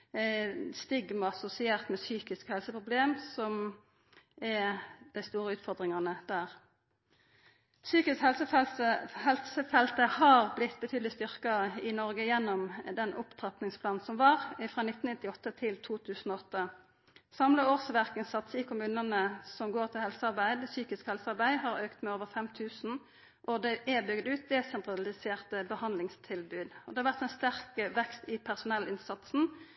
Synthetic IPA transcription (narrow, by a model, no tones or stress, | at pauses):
st̪ɪɡməɑsʊsɪeːʁt̪mɛsyːkɪskhɛlsəpʁʊbleːmsɔm | ɛd̪̥æɪst̪uːʁəʉːt̪fɔʁd̪ʁɪŋɑnəd̪æːʁ | syːkɪskhɛlsəɛəhɛlsəfɛlt̪əhɑːʁblɪt̪ːbət̪ʰyːd̪lɪst̪ʏʁkɑɪnɔʁɡəjɛnːɔmd̪ɛnʔʊpt̪ʰʁɑp̪nɪŋspʰlɑːnn̩sɔmʋɑːʁfʁɑːnɪt̪ːn̩ɪt̪ːɪɔt̪ːət̪ʰɪlt̪ʰuːt̪ʰʉːsn̩ɔɔt̪ːə | sɑmləoːsʋæʁkənsɑt̪sɪkʰʊmʉːnənəsɔmɡoːʁt̪ʰɪlhɛlsəɑʁbæɪd̪syːkɪskhɛlsəɑʁbæɪhɑɾøːkt̪mɛoːʋəʁfɛmt̪ʰʉːsn̩ | ʔɔd̪ɛʔɛbʏɡd̪ʉːt̪̚d̪ɛsɛnt̪ʁɑlɪseːʁt̪əbəhɑnd̪lɪŋst̪ʰɪlbʉːd̪ɔd̪ɛhɑɾʋæʁt̪ɛɪnst̪æʁkəʋɛkst̪ɪpʰæʁsʊnɛlɪnsɑt̪sn̩